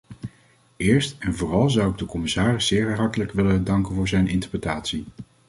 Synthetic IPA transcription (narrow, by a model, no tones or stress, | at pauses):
ɪːɹstɛnvʊːrɑlˠzʌwɪɡ̚dəkɔmɪsaːrɪszɪːɹɦɑɹtələkʋɪləndɑŋkənvʊːɹzɛjnɪntə̥ɹprətaːtsi